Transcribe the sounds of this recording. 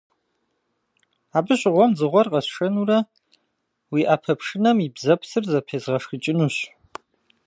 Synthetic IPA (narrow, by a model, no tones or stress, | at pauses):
aːbɨɕʼʁʷɔmzɨʁʷɔrqʼɐsʂɐnurɐ | wiːʔapʰɐpʰʂɨnɐmibzɐpʰsɨrzɐpʰeːzʁɐʂxɨt͡ʃʼɪnuɕ